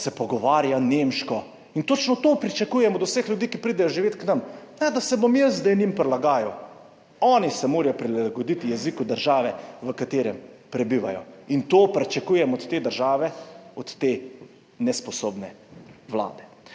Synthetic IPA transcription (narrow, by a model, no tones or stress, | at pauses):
sɛpɔɡɔʋaːɾjaneːmʃkɔ | int̪oːt͡ʃnɔt̪oːpɾit͡ʃakuːjɛmɔd̪usexljud̪iːkipɾiːd̪ɛjɔʒiʋeːt̪knɐmnɛd̪asɛbomjəzzd̪ɛjnimpɾɛlaɡaːjɔ | ɔːnisɛmoːɾajɔpɾilaaɡɔd̪it̪ijɛzikud̪əɾʒaːʋɛʋəkat̪eːɾɛmpɾɛbiːʋa̰jɔ̰int̪oːpɾɛt͡ʃɛkuːjɛmɔt̪t̪ːeːd̪əɾʒaːʋɛɔt̪ːeː | nɛspɔsoːbnɛ | ʋla̰ːd̪ɛ